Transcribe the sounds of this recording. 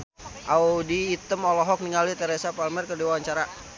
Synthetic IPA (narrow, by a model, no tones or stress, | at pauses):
ʔaudiːt̪əmɔlɔɦɔk̚niŋalit̪əɾesapalmɛrkərdiwawaɲt͡ʃaɾa